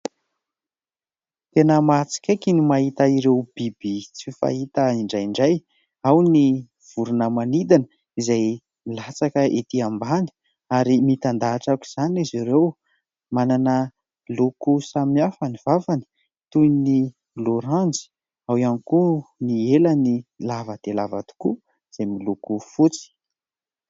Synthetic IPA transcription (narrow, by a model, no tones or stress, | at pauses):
t̪enəmat͡si̥kʲejkinimaɦit̪aiɾewb̥ibit͡sifa̰ɦit̪əiɳɖ͡ʐajɳɖ͡ʐaj | awni | v̥uɾunəmanid̪anə | izaj | milat͡sakəʔet̪iambani̥ | aɾimit̪and̪aːʈ͡ʂakʲu̥z̥aniziɾew | mananə | lukusamiafaniv̥afani̥ | t̪ujni | loɾãnd͡zi̥ | awanikunielanilavəd̪̥elava̰t̪u̥ku | z̥ajmilukufut͡si̥